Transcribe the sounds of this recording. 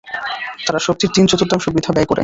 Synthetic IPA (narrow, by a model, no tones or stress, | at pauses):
t̪aɾaʃok̚t̪iɾt̪int͡ɕot̪uɾt̪amʃubid̪ʱabɛkoɾḛ